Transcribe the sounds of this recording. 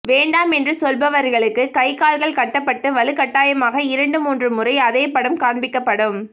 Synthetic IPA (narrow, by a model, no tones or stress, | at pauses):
ʋeːɳɖaːmɛndrɯsɔlbɐʋɐɾɣɐɭɯkːɯkɐɪkaːlɣɐɭkɐʈːɐpːɐʈːɯʋɐlɯkɐʈːaːjɐmaːɣɐɪɾɐɳɖɯmuːndrɯmʊrɐɪɐðeːpːɐɽɐmkaːɳbɪkːɐpːɐɽɯm